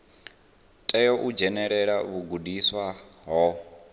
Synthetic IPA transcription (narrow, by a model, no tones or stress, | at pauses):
tʼɛjɔʔud͡ʒɛnɛɺɛɺaβuɡudiswaɦɔ